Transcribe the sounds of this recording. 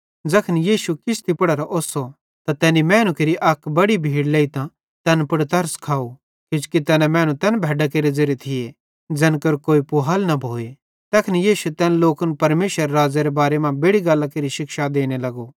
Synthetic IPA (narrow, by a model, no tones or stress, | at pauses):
d͡zɐkʰənjiːʃukɪst̪ipɐɽɐɾaʔoːso | t̪at̪ɛːnimɛ̃ːñũkeɾiʔɐkbɐɽibʱiːɽleːit̪ã | t̪ɛːnpɐɽt̪ɐɾskʰaːu | kɪt͡ʃkit̪ɛːnɛmɛ̃ːñũt̪ɛːnbʱɛːɖakeːɾed͡zɐɾet̪ʰɪe | d͡zɛnkɐɾkoːipʊɦaːlnɐbʱoːe | t̪ɛkʰnijiːʃut̪ɛːnloːkənpɐɾmeːʃəɾɾaːd͡zaɾebaːɾemãbeːɽiɡalːakeɾiʃɪkʃad̪eːɽ̃elɐɡo